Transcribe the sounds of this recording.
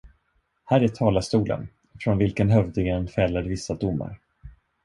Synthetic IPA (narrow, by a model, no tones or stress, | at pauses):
hæːɾæʈʰɑːlast̪uːlə̰n | fɾɔnvɪlkənɦœvd̪ɪɡɛnfɛlːad̪əvɪsːad̪ʊmːa̰ɾ